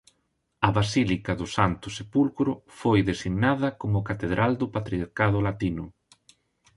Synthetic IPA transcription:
ɐβasilikɐðʊsant̪ʊsepulkɾʊfojðesiɣnaðɐkomʊkat̪eðɾʔald̪ʊpat̪ɾiaɾkaðʊlat̪inʊ

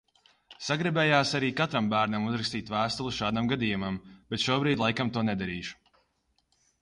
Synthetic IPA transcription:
saɡɾibɛːjaːsaɾiːkat̪ɾambæːɾnamuzɾakst̪iːt̪væːst̪ulˠuʃaːd̪amɡad̪ijumamb̥ɛt̪ʃuɔbɾiːt̪lˠajkamt̪uɔnɛd̪aɾiːʃu̥

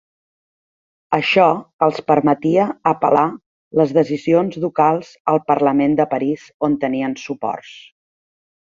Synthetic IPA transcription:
əʃɔəlˠspəɾmət̪iəːpə̰la | ləzðəzizionzðukalˠzəlˠpəɾləmend̪əpəɾizont̪əniənsupɔ̰rs

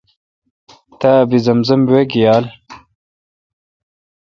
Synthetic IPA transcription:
t̪abizɐmzɐmwekijaːl

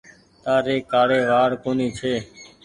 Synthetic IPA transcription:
t̪aːɾeːkːaːɽeːʋaːɾkoːniːt͡ʃʰeː

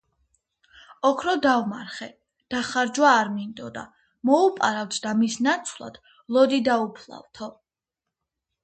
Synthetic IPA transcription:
ɔkʰɾɔd̪avma̰ɾχɛ | d̪̥aχaɾd͡ʒwaːɾmind̪ɔd̪a̰ | mɔupʼaɾavt̪ʰd̪amisnat̪sʰvlˠa̰d̪̥ | lˠɔd̪id̪aupʰlˠa̰vt̪ʰɔ

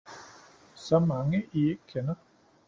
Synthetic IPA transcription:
sɒ̽mɑ̈ŋəʔieɡ̥kʰenɐ

